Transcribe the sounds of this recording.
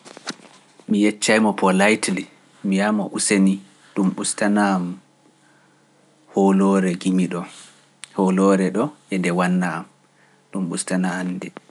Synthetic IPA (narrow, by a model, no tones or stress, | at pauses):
mijɛt͡ʃːajmɔpʰɔlajtli | mijamɔʔuseni | ɗumɓustanam | holɔɾɛɡimiɗɔ | holɔɾɛɗɔʔɛndɛwanːaːm | ɗumɓustanaːndɛ